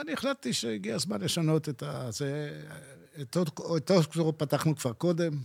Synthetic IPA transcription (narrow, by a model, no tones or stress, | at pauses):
anieχlat̚t̪iʃeiɡiazmanleʃano̞t̪et̪aze | et̪oetoskzoʁopat̪aχnukv̥aʁko̞de̞m